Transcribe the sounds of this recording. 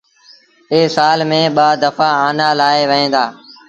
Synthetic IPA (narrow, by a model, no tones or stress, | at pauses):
eːsaːlmẽːɓaːd̪əfaːaːnaːlaːeːʋəɦẽːd̪aː